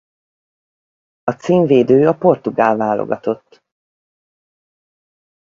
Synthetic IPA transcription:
ɒt̪siːɱveːd̪øːɒpo̞rt̪uɡaːlvaːlo̰ɡɒt̪o̞t̪ː

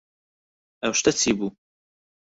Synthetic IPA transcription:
ɐwʃt̪ɐt͡sʰiːbuː

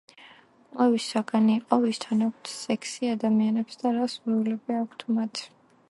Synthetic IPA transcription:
qʼwɛvisːaɡaniːqʼɔvist̪ʰanakʰʷt̪ʰsɛkʰsiad̪amianɛpsd̪aɾasuɾulɛbiakʷʰt̪ʰmat̪ʰ

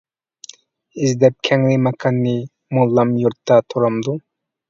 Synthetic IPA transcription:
izd̪ɛp̚kʲʰɛŋlimɑkʰɑnːi | molːɑmjoɾt̪ːɑt̪ʰoɾɑmd̪u

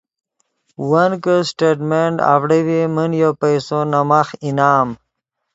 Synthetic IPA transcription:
wankəsʈeʈmeɳɖa̰vɽəwimənjopajsonamaxinaːm

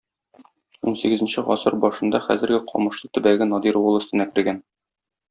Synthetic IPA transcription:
unsiɡɘ̆zɘ̆nɕɘʁɒ̰sɤɾbɒʃɤ̆nd̪ɑχæ̰zɘ̆ɾɡɘqʰɒ̰mɤ̆ʃlˠɤt̪ɘ̆bæɡɘnɒd̪iɾwɤ̆lˠɵ̆st̪ɘɤ̆nækɘ̆ɾɡæn

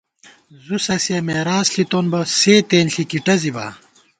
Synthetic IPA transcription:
zusɐsiɐmeːɾaːsɬit̪oːnbɐseːt̪eːnɬikiʈɐzibɐ̰

